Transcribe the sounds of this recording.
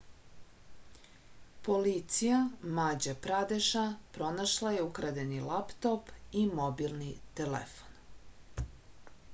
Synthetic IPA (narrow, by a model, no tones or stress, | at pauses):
polit̪sijamad͡ʑapɾad̪eʃapɾo̞naʃlˠajeukɾad̪enilapt̪opimobilnit̪elḛfo̥n